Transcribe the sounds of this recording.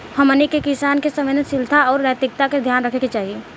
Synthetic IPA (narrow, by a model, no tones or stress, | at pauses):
hɐmənikekɪsaːnkesəɐʋeːnəsɪlt̪ʰaɔːɾʋɛːt̪ɪk̚t̪aked̪ʱjaːnɾəkʰeket͡ʃaːɦieː